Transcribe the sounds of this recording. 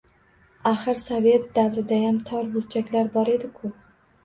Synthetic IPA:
aχɨɾsave̞t̪̚d̪avɾɪd̪ajamt̪ʰɒɾbʊɾt͡ʃʰakʲlaɾbɒɾe̞d̪ɪkʰʊ

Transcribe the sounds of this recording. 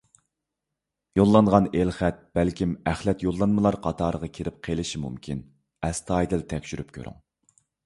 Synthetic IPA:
jolˠːɑɴʁɑnelχæt̪̚b̥ælkʲʰimæχlɛt̪jolˠːɑnmɨlˠɑɾqʰɑt̪ʰɑːɾəʁɑkʲʰeɾɪp̚qʰelɪʃimṵmkʲʰin | ɛst̪ʰɑːjd̪ɪlt̪ʰɛkʲʃyɾyp̚kʲʰø̰ɾy̰ŋ

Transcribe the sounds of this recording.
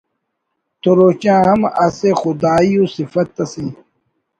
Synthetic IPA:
t̪oɾoːt͡ɕãːɦɐmɐsexud̪aːjũːsifɐt̪ːɐsĩː

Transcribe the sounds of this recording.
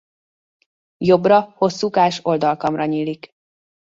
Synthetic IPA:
jo̞brɒho̞sːukaːʃo̞ld̪ɒlkɒmrɒɲiːlik

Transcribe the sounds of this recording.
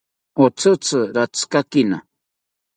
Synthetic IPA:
ot͡sʰɨt͡sʰɨɾat͡skakina

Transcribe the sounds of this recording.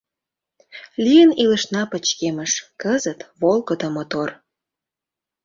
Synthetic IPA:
liənilə̆ʃnɑpət͡ɕkeməʃkəzət̪βolkəd̪əmot̪or

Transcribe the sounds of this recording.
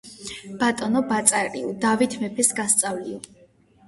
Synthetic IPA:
b̥at̪ʼɔnɔbat̪sʼaɾʼiud̪avit̪ʰmɛpʰɛsɡast̪sʼavliɔ

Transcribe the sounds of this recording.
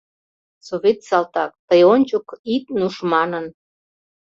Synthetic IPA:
soβet̪sɑlt̪ɑk̚t̪əjonʲt͡ɕokit̪̚nuʃmɑnən

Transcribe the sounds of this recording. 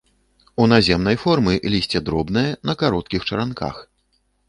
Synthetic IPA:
unazʲɛmn̪ɐjfɔrmɨlʲisʲt͡sʲɛd̪ɾɔbnɨjɛnɐkaɾɔt̪̚kʲixt͡ʂɐɾanka̰x

